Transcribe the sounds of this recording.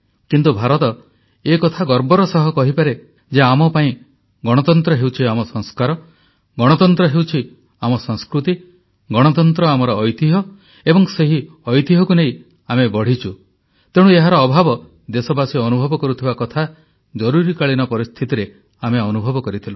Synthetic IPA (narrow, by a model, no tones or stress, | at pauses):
kint̪ubʱaɾɔt̪ɔ | ekɔt̪ʰaɡɔɾbɔɾɔsɔɦɔkɔɦipaɾe | d͡ʒeamɔpaĩ | ɡɔɽ̃ɔt̪ɔnt̪ɾɔɦewt͡ʃʰiamɔsɔŋskaɾɔ | ɡɔɽ̃ɔt̪ɔnt̪ɾɔɦewt͡ʃʰi | amɔsɔŋskɾut̪i | ɡɔɽ̃ɔt̪ɔnt̪ɾɔamɔɾɔʔːjt̪iɦɔ | ebɔŋseɦi | ɔjt̪iɦɔkuneĩ | amebɔɽ̤it͡ʃʰu | t̪eɽ̃ueɦaɾɔːbʱabɔ | d̪esɔbasiɔnubʱɔbɔkɔɾut̪ʰibakɔt̪ʰa | d͡ʒɔɾuɾikaɭinɔpɔɾist̪ʰit̪iɾe | ameɔnubʱɔbɔkɔɾit̪ʰilu